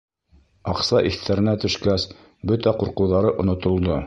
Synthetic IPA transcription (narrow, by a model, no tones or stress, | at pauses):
ɑqsɑʔiθt̪æɾɘ̆næt̪ɵ̆ʃkæs | bɵt̪æquɾqɤ̆wðɑɾɤʔŏnŏt̪ŏlˠd̪o